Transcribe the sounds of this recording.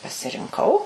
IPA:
pɐsʲɪrʲɪŋˈkɐʊ

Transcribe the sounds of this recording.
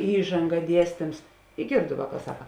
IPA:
ˈiːʒɐŋɡɐ ˈdʲiɛsʲtʲɪms ɪ ˈɡʲeːrdʊ ˈʋɑːˌkɑː ˈsɑːkɐ

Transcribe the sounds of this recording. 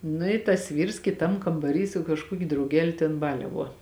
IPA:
ˈnʊ ɪ tɐs ˈʋʲiːrs kʲɪˈtɐm kɐmbɐˈrʲiː sʊ kɐʃˈkuɔkʲʊ drɐʊˈɡʲæːlʲʊ tʲɛn ˈbɑːlʲɛʋuɔ

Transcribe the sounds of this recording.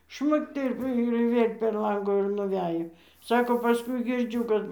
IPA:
ˈʃmʊkt ɪr ɪr ˈʋʲeːlʲ pʲɛr ˈlˠɐŋɡʊ ɪr nʊˈʋʲæːjoː ˈsɑːkoː pɐˈskʊɪ ɡʲɪrʲˈd͡ʒʲʊ kɐt

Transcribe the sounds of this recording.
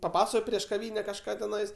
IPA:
pɐˈpɑːsoː pʲrʲiɛʃ kɐˈʋʲiːnʲɛ kɐʃˈkɑː tʲɛˈnɐɪs

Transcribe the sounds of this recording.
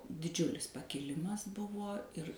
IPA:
dʲɪˈd͡ʒʲʊlʲɪs pɐkʲɪˈlʲɪmɐs ˈbʊʋoː ɪr

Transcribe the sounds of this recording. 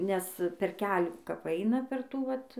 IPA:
nʲɛs pʲɛr ˈkʲæːlʲuː kɐp ˈɐɪnɐ pʲɛr ˈtuː ˈʋɐt

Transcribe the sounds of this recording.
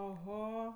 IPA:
ɐˈɣɐ

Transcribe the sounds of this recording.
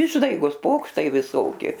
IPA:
ˈɪʒdɐɪɡoːs ˈpoːkʃtɐɪ ʋʲɪˈsoːkʲɪ

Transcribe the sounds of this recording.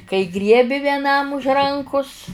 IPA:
kɐɪ ˈɡrʲiɛbʲɪ ʋʲiɛˈnɐm ʊʃ ˈrɐŋkʊs

